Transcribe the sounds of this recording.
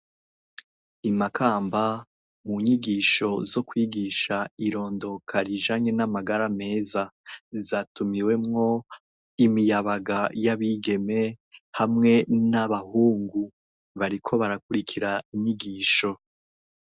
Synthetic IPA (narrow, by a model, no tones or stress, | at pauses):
imakʰaːmba | muɲiɡiːʃo̞zo̞kwiːɡiʃaiɾo̞ːndo̞kʰaɾiʒaɲe̞namaɡaɾame̞ːzazatumiwe̞mŋo̞ | imijaβaɡajaβiɡe̞me̞hamŋe̞naβahuːŋɡu | βaɾikʰo̞βaɾakuɾikʰiɾaiɲɲiɡiːʃo̞